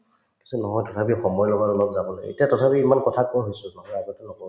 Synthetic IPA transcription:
kintunɔɦɔjtɔtʰapixɔmɔjlɔɡaɹulɔkzabɔloḛtijatɔtʰapiimankɔtʰakɔɹɦojsʊnɔɦɔjaɡɔtɛnɔkɔ

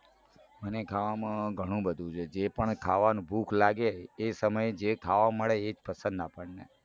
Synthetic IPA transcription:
mənekʰaʋamãɡʱəɽ̃ũbəd̪ʱũt͡ʃʰed͡ʒepəɳkʰaʋanũbʱukʰlaɡeːsəməjd͡ʒekʰaʋaməɭeːd͡ʒpəsə̃nd̪apəɳnḛ

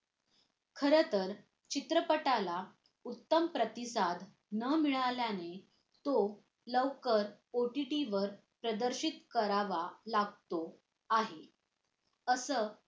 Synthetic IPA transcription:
kʰəɾət̪əɾ | t͡ɕit̪ɾəpəʈala | ut̪ːəmpɾət̪isad̪ | nəmiɭaljane | t̪o | ləʋkəɾ | oʈiʈiʋəɾ | pɾəd̪əɾɕit̪kəɾaʋalaɡ̚t̪o | aɦe | əsəː

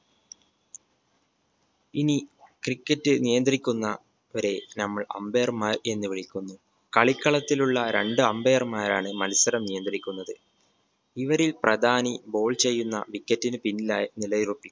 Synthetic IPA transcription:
inikrikːɐtːɨnijɐnd̪rikʲːunːɐ | oɾe̞nɐmːɐɭɐ̰mbejɐrmaːɾe̞nːɨʋiɭikʲːunːu | kɐɭikːɐɭɐt̪ːiluɭːɐɾe̞ɳɖɨɐmbejɐrmaːɾaːɳɨmɐlisɐɾɐmnijɐnd̪rikʲːunːɐðɨ | iʋɐɾilprɐd̪ʱaːnibo̞ːɭt͡ɕe̞jːunːɐ̰ʋikʲːɐtːinɨpinːilaːjɐnilɐjirupːi

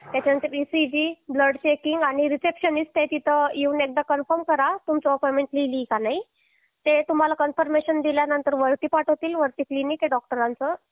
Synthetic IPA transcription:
t̪jat͡ɕaənt̪əɾisid͡ʑibləɽt͡ɕekiŋɡaɽ̃iɾisepɕənist̪et̪it̪ʰəiunek̚d̪akənfəɾmkəɾat̪umt͡sɔɔpɔmeɳʈlilikanaɦi | t̪et̪um̤alakənfəɾmeɕənd̪iljanənt̪əɾʋəɾt̪iːpaʈɦot̪iːlʋəɾt̪iklinikeɖɔk̚ʈəɾãnt͡sə

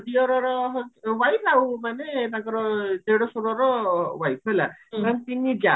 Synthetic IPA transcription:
diɔɾɔɾɔɦwajpʰaumaneːt̪aɡɔɾɔt̪eɽɔsuɾɔɾɔwajpʰela̰kant̪iniɡa

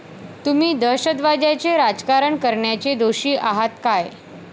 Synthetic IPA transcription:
t̪um̤iːd̪əɕəd̪ʋad͡ʑat͡ɕeɾad͡zkaɾəɳkəɾɳjat͡ɕed̪oɕiːʔaɦat̪kaj

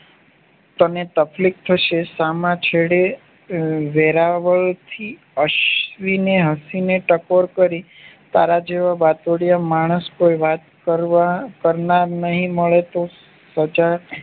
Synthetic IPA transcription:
t̪ənet̪əflik̚t̪ʰəʃesamãt͡ʃʰeɽe | ʋeɾaʋəɭt̪ʰi | əʃʋineɦəsineʈəkoɾkəɾi | t̪aɾad͡ʒeʋabat̪oɽijamaɽ̃əskoiʋat̪kəɾakəɾnaɾnəɦĩməɭet̪o | səd͡ʒa

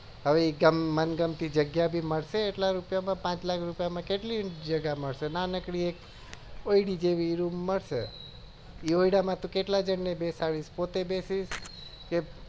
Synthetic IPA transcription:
ɦəʋeiɡəmːənɡəmt̪id͡ʒəɡjabʱiməɭʃeːʈlaɾupjamãpãt͡ʃlakʰɾupjamãkeʈlid͡ʒəɡaməɭʃenanəkɽiek | oiɽid͡ʒeʋiɾumːəɭʃḛ | ioiɽamãt̪ũkeʈlad͡ʒənnebesaɭiʃpot̪ebesiʃ | ke

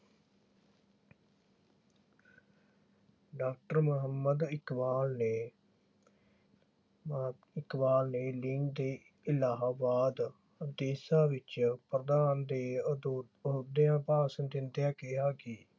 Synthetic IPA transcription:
ɖaːk̚ʈəɾmʊɦəmːəd̪ɪkʋaːlneː | ɪkbaːlneːlɪŋɡd̪eː | ɪlaːɦaːbaːd̪ | d̪eːsaːʋɪt͡ʃpɾəd̪aːnd̪eː | ʊd̪ejãːpaːsənd̪ɪnd̪jaːkɪɦaːkiː

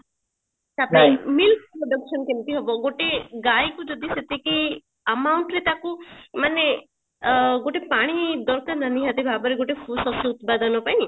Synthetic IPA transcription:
sapaĩmilk̚pɾɔɖəkʃɔnkimt̪iɦɔbɔɡoʈeɡajkud͡ʒɔd̪iset̪eki | əmawuɳʈɾet̪akumane | ɡoʈepaɽ̃id̪ɔɾkaɾnaniɦat̪ebʱabɔɾeɡoʈefʰusɔsuːt̪pad̪ɔnɔpaĩ

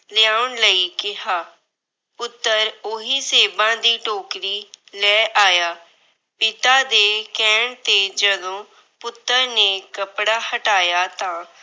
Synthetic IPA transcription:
lɪaːʊɳləiːkɪɦaː | pʊt̪ːəɾʊɦiːseːbãːd̪iːʈoːkɾiːlɛːʔaːjaː | pɪt̪aːd̪eːkɛːɳt̪eːd͡ʒəd̪õː | pʊt̪ːəɾneːkəpɽaːhəʈaːjaːt̪ãː

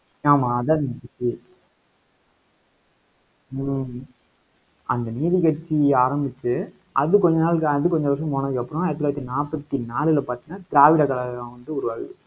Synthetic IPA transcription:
aːmãːɐðaːɐðnɐkɐt͡ʃːi | ɐnd̪ɐniːðikɐʈt͡ʃːiaːɾɐmbɪt͡ʃːɯ | ʔɐðɯkɔɲd͡ʒɐnaːlkɐðɯkɔɲd͡ʒɐʋɐɾʂɐ̃mɔnɐʋiɐpːɯɾɔ̃ɐɪɾɐt̪̬ːlːɐɾɐt̪ːinaːpːɐt̪ːinaːlɪlɐpaːɾt̪iŋnaːt̪ɪɾaːʋɪɽɐkɐlɐɣɐlãːʋɐnd̪ɯʊɾɯʋaːɣɯ

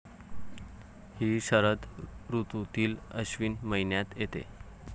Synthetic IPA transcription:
hiːɕəɾəd̪ɾut̪ũt̪iːləɕʋiːnməinjat̪jet̪ḛ

